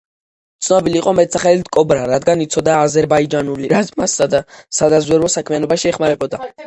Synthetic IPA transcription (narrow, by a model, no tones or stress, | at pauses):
t̪sʰnɔbiliːqʼɔmɛt̪̚saχɛlit̪kʼɔbɾaɾad̪ɡanit̪sʰɔd̪aːzɛɾbaid͡ʒanuliɾamassad̪azwɛɾɔsakʰmianɔbaʃiɛχmaɾɛbɔd̪a